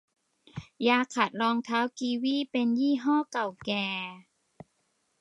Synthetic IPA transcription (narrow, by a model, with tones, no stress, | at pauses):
jaː˧kʰa˨˩t̪̚lɔː˧ŋt̪ʰaː˦˥wkiː˧wiː˥˩˨pe˧njiː˥˩ɦɔː˥˩ka˨˩wkɛː˨˩